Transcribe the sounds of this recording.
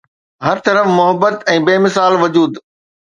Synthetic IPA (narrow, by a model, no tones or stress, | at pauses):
ɦɐɾt̪ɐɾəfmʊɦəbːət̪ɛ̃ːbeːmɪsaːlʋɐd͡ʑuːd̪